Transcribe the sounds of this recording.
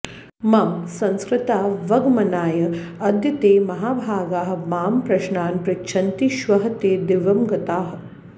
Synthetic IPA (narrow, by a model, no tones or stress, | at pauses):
mɐmsɐ̃nskɾɪt̪aːʋɐɡmɐnaːjɐɐd̪jɐt̪eːmɐɦaːbʱaːɡaːɦɐ̆maːmpɾɐʃnaːnpɾɐkt͡ʃʰɐnt̪iʃʋɐɦɐt̪eːd̪ɪʋɐmɡɐt̪aːɦɐ̆